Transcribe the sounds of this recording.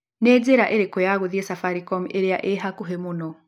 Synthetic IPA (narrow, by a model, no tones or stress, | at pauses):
neːzeɾaʔeɾekɔjaɣuðjesafaɾikɔmʔeɾeja̰ʔeɦakuɦemunɔ